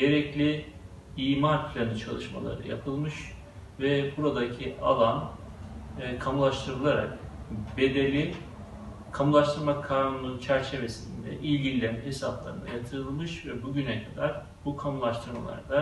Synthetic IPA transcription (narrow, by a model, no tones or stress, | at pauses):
ɟe̞ɾɛclʲi | iːmaɾpʰlʲanɯt͡ʃʰalˠɯʃma̰lˠa̰ɾɯ̰ja̰pʰɯlˠmɯʃ | vɛbuɾad̪acʰiʔa̰lˠanː | kʰamulˠaʃt̪ʰɯɾɯlˠaɾa̰k̚be̞d̪elʲi | kʰamulˠaʃt̪ʰɯɾmakʰːaːnununt͡ʃʰæɾt͡ʃʰe̞ve̞sind̪ɛ̰ʔilʲɟilʲlʲænmɛesaplˠa̰ɾɯ̰nd̪a̰jat̪ʰɯɾɯlˠmɯʃvɛbuɟynɛkʰad̪aɾ̥ | bukʰamulˠaʃt̪ʰɯɾma̰lˠa̰ɾd̪a